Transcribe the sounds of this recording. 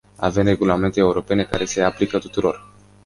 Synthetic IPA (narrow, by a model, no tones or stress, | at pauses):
a̰ve̞mre̞ɡulame̞nt̪e̞ːuɾo̞pe̞ne̞kaɾe̞se̞aplikət̪u̥t̪uɾo̞r